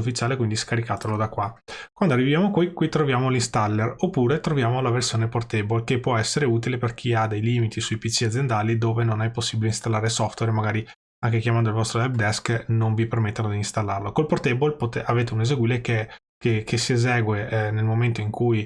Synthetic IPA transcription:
ufːit͡ʃaːlekwind̪iskaɾikaːt̪elod̪akːwakwand̪oarːivijaːmokwikwit̪ɾovjaːmolist̪alːeropːuːɾet̪ɾovjaːmolaversjoːneport̪ɛbolkepːwɔɛsːeɾeuːt̪̬ileperk̟ʰiad̪ejliːmit̪ʰisuipit͡ʃiad̪zjend̪aːlid̪oːvenonɛjposːibileinst̪alːaːɾesɔft̪wɛɾmaɡaːɾi | aŋkekjamand̪oilvɔst̪ɾoɛb̚d̪ɛsknonvipermet̪ːanod̪iːnst̪alːarlokolport̪ɛbolpot̪eaveːt̪eunezeɡwiːleke | kekʰesiezɛːɡwenelmoment̪oiŋkʰuj

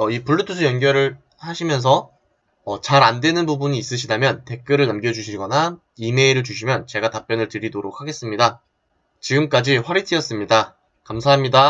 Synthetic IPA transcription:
ʌipuɭːɯtʰusʰɯjʌnɡjʌɾɯɭ | haɕʰimjʌns̬ʰʌ | ʌt͡ɕaɾandwe̞nɯnbubuɲiːs͈ɯɕʰidamjʌnte̞k͈̚ɯɾɯɭnamɡjʌd͡ʑuɕʰiɡʌna | ime̞iɾɯɭt͡ɕuɕ̬ʰimjʌnt͡ɕe̞ɡatap͈jʌnɯɭtɯɾidoɾok̚ʰaɡe̞s͈ɯmɲida | t͡ɕiɡɯmk͈ad͡ʑiɸwaɾitʰijʌs͈ɯmɲida | kamsʰaɦamɲida

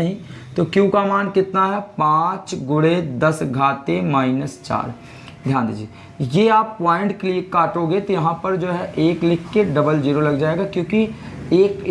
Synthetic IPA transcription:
ɦĩt̪oːkjũːkamaːnkɪt̪naɦɛpãːt͡ʃɡʊɽed̪ɐsɡʱaːt̪emaːɪnəst͡ʃa̰ːɾ | d̪ʱjãːnd̪ḭd͡ʒieː | jeaːpːaːɪ̃ɳʈkeliekaːʈoːɡet̪ojɐɦãpɐɾd͡ʒoːɦɛʔeːklɪkʰːeɖɐbəld͡ʒiːɾolɐɡd͡ʒaːeːɡakjõːkieːk

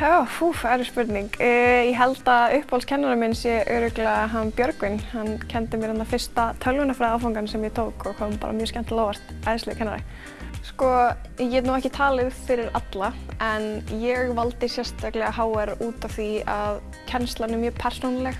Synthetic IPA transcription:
fufɛɾʏspʏɾt̪niŋkːjɛɦɛlt̪aʏhphɔlscʰɛnːaɾɪmɪnsjɛʔœːɾʏklɛaɦanːpjœɾkvɪnhanːcʰɛnt̪ɪmjɛɣɾɛnːafɪr̥st̪at̪ʰœlvʏnafɾaːðafawŋkansɛmjɛt̪ʰoːwkɔɣhampa̰ːɾa̰mjœ̥ːskcɛn̥t̪loːwvar̥t̪ajðɪslɪkʰɛnːaɾa̰ | skɔjɛɛt̪nuwɛhcɪt̪ʰaːlɪðfɪɾɪɾat̪laɛnjɛɣvalt̪ɪsjɛrst̪aklɛɣahaːwɛɾuːt̪av̥θiað | cʰɛnst̪lanɪmjʏːɾpʰɛr̥sonalɛx

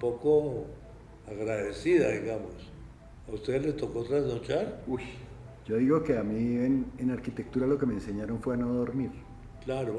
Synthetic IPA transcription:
poko | aɣɾaðesiðaðiɣamos | aust̪eðlet̪okot̪ɾaznot͡ʃaɾuj | d͡ʒo̞ðiɣo̞ke̞amienenaɾkit̪e̞k̚t̪uɾalo̞ke̞me̞ːnse̞ɲaɾo̞ɱfwe̞ano̞ðo̞ɾmiɾ | klaɾo

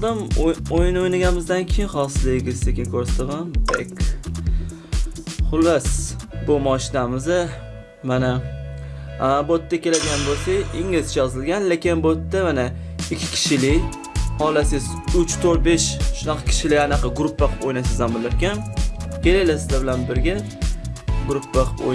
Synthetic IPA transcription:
d̪ɪmojɪnojnaɡʲanɪmɪzd̪ankʲʰejɪnχɒsɪzlɪɡʲɪzekʲɪnkʰɵɾsḁt̪ʰamanbekʲ | χʊlˠːasbʊmɒʃɪnamɪzɪ | mana | bot̪ːakʲe̞lad̪ɪɡʲanbot̪ʰːɪɪŋɪzt͡ʃʰajɒzɪlɡʲanlekʲɪnbot̪ːamana | ɪkʲʰːɪ̥kʲʰɪ̥ʃɪlɪ | hɒlasɪz | ʊt͡ʃt̪ʰoɾ̚be̞ʃʃʊnɑqʰɑ̥kʲʰɪ̥ʃɪlɪanaqʰɑɡɾʊpːaqʰɨ̥pojnasɪzamɪnlːap̚kʲankʲʰe̞lajlasɪzlabɪlanbɪɾɡʲa | ɡʊɾʊpʰːaqʰɨpo̰j

